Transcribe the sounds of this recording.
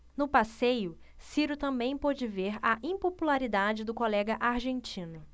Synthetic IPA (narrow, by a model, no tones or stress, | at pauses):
nʊpasejʊ | siɾʊt̪ɐ̃mbẽj̃pɔd͡ʒɪveɾɐʔĩpopulaɾid̪ad͡ʒɪd̪ʊkolɛɡɐʔaɾʒẽnt͡ʃĩnʊ